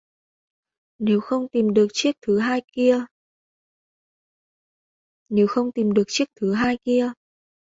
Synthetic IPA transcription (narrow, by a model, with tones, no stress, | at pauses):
ne˨˦wxə˧wŋ͡mt̪i˨˩mɗɨ˨˩ək̚t͡ɕi˦˥ək̚t̪ʰɨ˨˦ɦaː˧jki˧ə | ne˨˦wxə˧wŋ͡mt̪i˨˩mɗɨ˨˩ək̚t͡ɕi˦˥ək̚t̪ʰɨ˨˦ɦaː˧jki˧ə